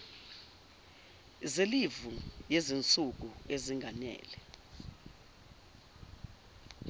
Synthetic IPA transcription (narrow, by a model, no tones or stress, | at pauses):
zelivujezint͡sʼuk̬ueziŋɡʱanɛ̰ːlɛ